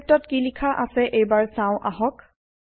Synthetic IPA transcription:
p̚tɔtkilikʰaʔasɛʔejbaɹsãʊ̃ʔaɦɔk

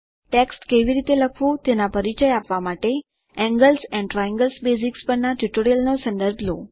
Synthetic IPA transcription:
ʈeksʈkeʋiɾit̪eləkʰʋũt̪enapəɾit͡ɕəjapʋamaʈe | ɛ̃ŋɡəlsɛ̃ɳɖʈɾɔjɛ̃ŋɡəlsbesikspəɳnaʈuʈoɾijəlnosə̃nd̪əɾbʱlo

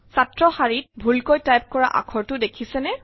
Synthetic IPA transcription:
satɹɔxaɹit̚bʱulkojtajp̚kɔɹa̰ʔa̰kʰɔɹtʊdekʰisɛnɛ

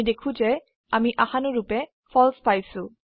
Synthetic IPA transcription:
dekʰũzɛ | amiʔaxanʊɹupɛ | fʰɔlspajsʊ̃

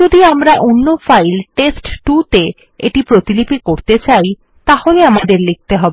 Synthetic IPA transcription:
od̪iamɾaʔonːofajlʈesʈʈut̪e | ḛʈipɾot̪ilipikoɾt̪et͡ɕaj | t̪aholeamad̪eɾlik̚t̪eɦɔbe

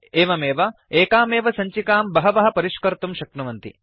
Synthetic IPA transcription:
eːʋɐmeːʋɐeːkaːmeːʋɐsɐɲt͡ʃikaːmbɐɦɐʋɐɦɐ̆pɐɾiʃkɐɾt̪umʃɐkɳɐʋɐnt̪ḭ

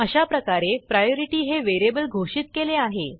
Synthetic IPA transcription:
əɕapɾəkaɾepɾajoɾiʈiːɦeʋeɾebəlɡʱoɕiːt̪keleaɦe

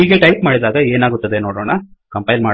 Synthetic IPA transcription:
iːɡeʈɐjp̚maːɽid̪aːɡɐeːnaːɡut̪ːɐd̪enoːɽoːɳɐkɐmpɐjlmaː

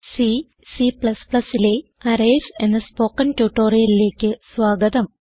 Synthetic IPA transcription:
si | sipɭɐspɭɐsːile̞ɐɾejse̞nːɨspo̞ːkːɐntuʈːo̞ːrijɐlile̞ːkʲːɨsʋaːɡɐd̪ɐm

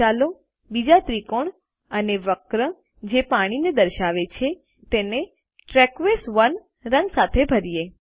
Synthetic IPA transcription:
alo | bid͡ʒat̪ɾikoɳ | əneʋəkɾə | d͡ʒepaɽ̃ined̪əɾʃaʋet͡ʃʰe | t̪ene | ʈɾɛkʋesʋən | ɾə̃ŋɡsat̪ʰebʱəɾije

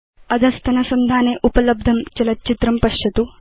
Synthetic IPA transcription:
ɐd̪ʱɐst̪ʰɐnɐsɐmd̪ʱaːneʔupɐlɐb̚d̪ʱɐmt͡ʃɐlɐt̪̚t͡ʃit̪ɾɐmpɐʃjɐt̪u

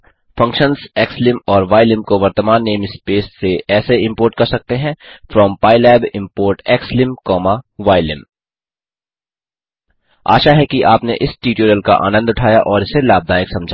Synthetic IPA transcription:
fɐ̃ŋkʃə̃nzɛːkslɪ̃mɔːɾʋaːɪlɪ̃mkoʋɐɾt̪əmaːnːeːmspeːsːeɛːseɪ̃mpoːɾʈ̚kɐɾsɐk̚t̪eɦɛ̃fɾɔːmpaːɪlɛːbɪ̃mpoːɾʈɛːkslɪ̃mkɔːmaʋaːɪlɪ̃m | a̰ːʃaɦɛkiʔaːpnḛʔɪsʈiːʈuːɾəlka̰ʔa̰ːnə̃nd̪ʊʈʰaːjaʔɔːɾɪselaːb̚d̪aːjɪksɐ̃md͡ʒʱa

